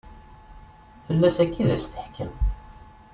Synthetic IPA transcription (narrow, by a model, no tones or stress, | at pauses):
fəlːæsækːiðæst̪ə̥ħkəm